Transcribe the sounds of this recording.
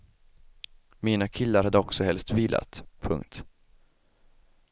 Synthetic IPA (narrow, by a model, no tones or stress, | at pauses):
miːnakʰɪlːaɾhad̪ːəɔksɔhɛlst̪viːlʔa̰t̪pʰɵ̰ŋkt̪